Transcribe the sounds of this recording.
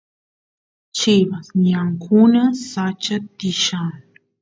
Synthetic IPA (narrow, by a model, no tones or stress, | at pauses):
t͡ʃɪβasɲaŋkʰʊnasat͡ʃat̪ɪʃaŋ